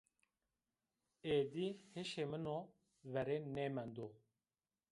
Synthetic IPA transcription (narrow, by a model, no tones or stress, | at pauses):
eːd̪iheʃemɨno | vɛɾenemɛnd̪o